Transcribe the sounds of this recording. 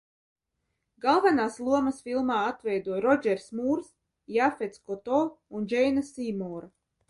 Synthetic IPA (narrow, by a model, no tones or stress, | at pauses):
ɡalˠvanaːslˠuɔmɐsfʲilˠmaːat̪vɛjd̪uɔɾɔd͡ʒɛɾsmuːɾs | jafet̪skɔt̪ɔːund͡ʒɛjnasiːmɔːɾa